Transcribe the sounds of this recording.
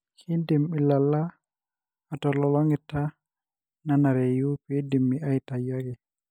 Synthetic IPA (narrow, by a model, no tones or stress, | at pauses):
hindimɓilːalːaː | tɔlɔlɔŋɛtːa | nanaɾejupedimːiajtajakɛ